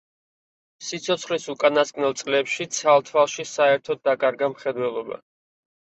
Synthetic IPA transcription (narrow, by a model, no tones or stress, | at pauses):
sit̪sʰɔt̪sʰχlisukʼanaskʼnɛlˠt̪sʼlɛpʃit̪sʰalˠt̪ʰvalˠʃisaɛɾt̪ʰɔd̪̚ːakʼaɾɡamχɛd̪wɛlˠɔba̰